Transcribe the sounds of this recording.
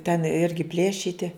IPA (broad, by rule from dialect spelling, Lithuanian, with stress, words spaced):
tʲɛn ˈɪrʲɡʲɪ ˈpʲlʲeːʃʲiːtʲɪ